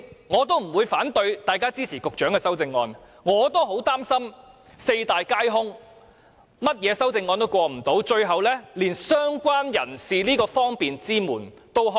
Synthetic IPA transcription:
ŋɔː˨˧t̪̬o˥wm̩˨˩wuː˨˧jfaː˨˥nt̪ɵ˧ɥt̪aː˨jkaː˥t͡siː˥t͡sʰiː˨˩kʊ˨k̚t͡ʃœː˨˥ŋkɛː˧sɐ˥wt͡sɪ˧ŋːɔː˧n | ŋɔː˨˧t̪o˥wɦo˨˥wt̪aː˥msɐ˥m | se˧jt̪aː˨jkaː˥jɦʊ˥ŋ | mɐ˥t̚jɛː˨˧sɐ˥wt͡sɪ˧ŋːɔː˧nt̪o˥wkʷɔː˧m̩˨˩t̪o˨˥wt͡ʃɵ˧ɥɦɐ˨wlɛː˥liː˨˩nsœː˥ŋkʷwaː˥njɐ˨˩nsiː˨liː˥kɔː˧fɔː˥ŋpiː˨nt͡siː˥muː˨˩n | t̪o˥wɦ

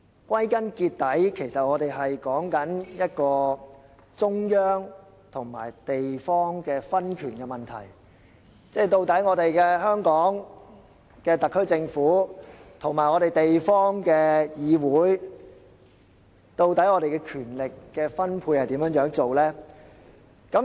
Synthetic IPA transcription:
kwɐ˥jkɐ˥nkiː˧t̚t̪ːɐ˨˥jkʰe˨˩jsɐ˨t̚ŋɔː˨˧t̪e˨jɦɐ˨jkɔː˨˥ŋkɐ˨˥njɐ˥t̚kɔː˧ | t͡sʊ˥ŋjœː˥ŋ | t̪ʰʊ˨˩ŋma̰ː˨˩jt̪e˨jfɔː˥ŋkɛː˧fɐ˥nkʰyː˨˩nkɛ˧mɐ˨˩nt̪ʰɐ̰˨˩j | t͡sɛː˥˩jt̪o˧wt̪ɐ˨˥jŋɔː˨˧ɾe˨jkɛː˧hœː˥ŋkɔː˨˥ŋ | kɛː˧t̪ɐ˨kʰːɵ˥ɥt͡sɪ˧ŋfuː˨˥t̪ʰʊ˨˩ŋmaː˨˩jŋɔː˨˧ɾe˨jt̪e˨jfɔː˥ŋkɛː˧jiː˨˧wuː˨˥j | t̪o˧wt̪ɐ˨˥jŋɔː˨˧ɾe˨jkɛː˧kʰyː˨˩nlɪ˨kːɛː˧fɐ˥npʰuː˧jhɐ˨jt̪iː˨˥mjœː˧˥ŋjœː˨˥ŋt͡so˨wlɛː˥ | kɐ˨˥m

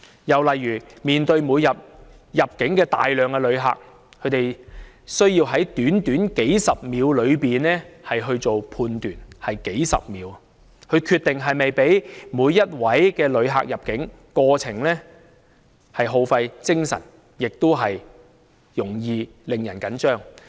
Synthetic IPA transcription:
jɐ˨wlɐ˨jːyː˨˩miː˨nt̪ɵ˧ɥmuː˨˧jɐ˨p̚ | jɐ˨p̚kɪ˨˥ŋkɛː˧t̪a̰ː˨jlœː˨ŋkɛ˧lɵ˨˧ɥɦa̰ː˨k̚ʰ | ɵ˨˧ɥt̪e˨j | sɵ˥ɥjiː˧wɦɐ˨˥jt̪yː˨˥nt̪yː˨˥nke˨˥jsɐ˨p̚miː˨˧wlɵ˨˧ɥpiː˨nɛː˥hɐ˨jɦɵ˧ɥt͡so˨wpʰuː˧nt̪yː˨˩nhɐ˨jke˨˥jsɐ̰˨p̚miː˨˥w | kʰɵ˨˧ɥkʰyː˧t̪ːɪ˨ŋɦɐ˨jmɐ˨jpe˨˥jmuː˨˧jːɐ˥t̚wɐ˨˥jkɛː˧lɵ˨˧ɥɦa̰ː˨k̚jɐ˨p̚kɪ˨˥ŋ | kɔː˧t͡sʰɪ˨˩ŋlɛː˥ | hɐ˨jɦo˨˧wfɐ˧jt͡sɪ˥ŋsɐ̰˨˩n | jɪ˨k̚t̪o˥wɦɐ˨j | jʊ˨˩ŋjiː˧ | lɪ˨ŋjɐ˨˩nkɐ˨˥nt͡ʃœː˥ŋ

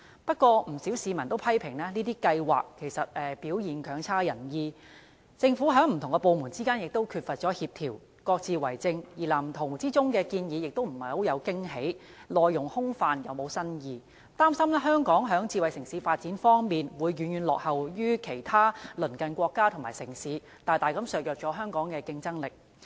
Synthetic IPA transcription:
pɐ˥t̚kʷɔː˧m̩˨˩si˨˥wsiː˨˧mɐ˨˩nt̪o˥wpʰɐ˥jpʰɪ˨˩ŋnɛː˥niː˥t̪iː˥kɐ˧jwa̰ː˨kʰːe˨˩jsɐ˨t̚ɛː˨˧piː˨˥wjiː˨˩nkʰœː˨˧˥ŋt͡sʰaː˥jɐ˨˩njiː˧ | t͡sɪ˧ŋfu˨˦˥ɦœː˨˥ŋm̩˨˩t̪ʰʊ˨˩ŋkɛ˧po˧wmu˨˩nt͡siː˥kaː˥njɪ˨k̚t̪o˥wkʰy˧t̚fɐ˨t̚t͡ʃɔː˨˥hiː˧p̚t̪ʰiː˨˩w | kɔː˧k̚t͡siː˨˧wɐ˨˩jt͡sɪ˧ŋjiː˨˩laː˨˩m̩˨˩t̪ʰʊ˨˩ŋt͡siː˥t͡sʊ˥ŋkɛː˧kiː˧njiː˨˧jɪ˨k̚t̪o˥wm̩˨˩hɐ˨jho˨˥jɐ˨˧wkɪ˥ŋɦe˨˥j | lɔː˨˧jːʊ˨˩ŋhʊ˥ŋfaː˨˧njɐ˨wmo˨˧wsɐ˥njiː˨ | t̪aː˥msɐ˥mlɛ˥ɦœː˥ŋkɔː˨˥ŋɦœː˨˥ŋt͡siː˧wɐ˨jsɪ˨˩ŋsiː˨˧˥faː˧t̚t͡siː˨˥nfɔː˥ŋmiː˨nwuː˨˧jːyː˨˧njyː˨˧nlɔ̰ː˨k̚hɐ˨wjyː˥kʰe˨˩jt̪ʰaː˥lɵ˨˩nkɐ˨nkʷɔː˧kːaː˥t̪ʰʊ˨˩ŋma̰ː˨˩jsɪ˨˩ŋsiː˨˥ | t̪aː˨˧jt̪aː˨jkɐ˨˥msœː˨k̚jœː˨k̚t͡ʃɔː˨˥ɦœː˥ŋkɔː˨˥ŋkɛː˧kɪ˧ŋt͡sɐ˥ŋlɪ˨k̚

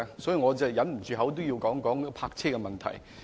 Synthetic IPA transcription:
sɔ˨˥ji˨˧ŋɔː˨˧t͡sɐ˨jɐ˨˥nm̩˨˩t͡ʃyː˨˧ɦɐ˨˥wt̪̬o˥wji˧wkɔː˨˥ŋkɔː˨˥ŋpʰaː˧k̚t͡sʰɛː˥kɛ˧mɐ˨nt̪ʰɐ̰˨˩j

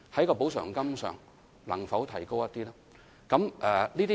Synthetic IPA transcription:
hɐ˨˥jkɔː˧po˨˥wsœ̰ː˨˩ŋkɐ˥msœ̰ː˨ŋ | lɐ̰˨˩ŋfɐ˨˥wt̪ʰɐ˨˩jko˥wjɐ˥t̪̚iː˥laː˥ | kɐ˨˥mʔɛː˨˩liː˥t̪i

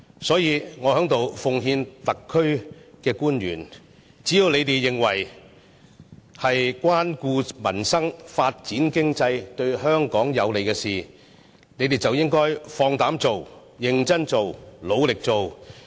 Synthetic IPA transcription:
sɔː˨˥jiː˨˧ŋɔː˨˧hœː˨˥ŋt̪o˨wfʊ˨ŋɦiː˧nt̪ɐ˨kʰːɵ˥ɥkɛː˧kuː˥njyː˨˩n | t͡siː˨˥ji˨˧wne˨˧jt̪e˨˩jjɪ˨ŋwɐ̰˨˩j | hɐ˨jkwaː˥nkuː˧mɐ̰˨˩nsɐ˥ŋfaː˧t̚t͡siː˨˥nkɪ˥ŋt͡sɐ˧jt̪ɵ˧ɥɦœː˥ŋkɔː˨˥ŋjɐ˨˧wle˨˩kɛː˧siː˨˩ | ne˨˧˥jt̪e˨˩t͡sɐ˨wjɪ˥ŋkɔː˥jfɔː˧ŋt̪aː˨˥mt͡so˨w | jɪ˧ŋt͡sɐ˥nt͡so˨wlo˨˧wlɪ˨k̚t͡so˨w

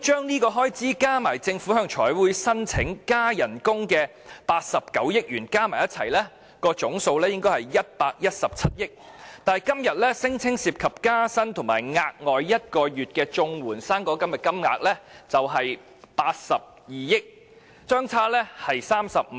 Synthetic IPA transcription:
t͡ʃœː˥ŋniː˥kɔː˧ɦɔː˥jt͡siː˥kaː˥maː˨˩jt͡sɪ˧ŋfu˨˥hœː˧ŋt͡ʃʰɔː˨˥jwuː˨˥jsɐ˥nt͡sʰɪ˨˥ŋkaː˥jɐ˨˩nkʊ˥ŋkɛː˧ | paː˧t̚sɐ˨p̚kɐ˨˥wjɪ˥k̚ɥyː˨˩nkaː˥maː˨˩jɐ˥t̚t͡sʰɐ̰˨˩jlɛː˥ | kɔː˧t͡ʃʊ˨˥ŋso˧wlɛː˥jɪ˥ŋkɔː˥hɐ˨˩jːɐ˥t̚paː˧k̚jɐ˥t̚sɐ˨p̚t͡sʰɐ˥t̚jɪ˥k̚t̪aː˨jkɐ˥mjɐ˨t̚lɛː˥sɪ˥ŋt͡sʰɪ˥ŋsiː˧p̚kʰɐ˨p̚kaː˥sɐ˥nt̪ʰʊ˨˩ŋma̰ː˨˩jŋaː˧k̚ŋɔː˨jjɐ˥t̚kɔː˧jyː˨t̚kɛː˧t͡ʃʊ˧ŋwuː˨˩nsaː˥ŋkɔː˧kɐ˥mjɐ˨t̚kɐ˥mŋa̰ː˧k̚lɛ˥t͡sɐ˨wɦɐ˨j | paː˧t̚sɐ˨p̚ | jiː˨jɪ˥k̚ | t͡ʃœː˥ŋt͡sʰaː˥lɛ˥hɐ˨jsaː˥msɐ̰˨p̚

